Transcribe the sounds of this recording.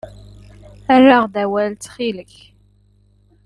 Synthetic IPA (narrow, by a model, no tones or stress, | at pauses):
ærːaʁðæwælt͡s̪χiləç